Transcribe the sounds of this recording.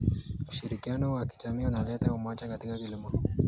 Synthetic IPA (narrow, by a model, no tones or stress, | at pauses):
uʃiɾikianɔwaki̥t͡ʃamiunalɛtaumat͡ʃakatikakilimɔ